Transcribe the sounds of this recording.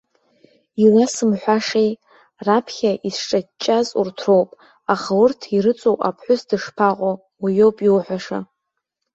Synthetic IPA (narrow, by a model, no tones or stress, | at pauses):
ilasɨmħʷaʂej | rapʰχʲaʔisʈ͡ʂʼat͡ʃʼːazṵrtʰro̞wpʼ | aχaʊrtʰiɾɨt͡sʷʼowʼa̰pʰħʷʊsdɨʂpʰaqʼo | wijowpʼiwħʷaʂa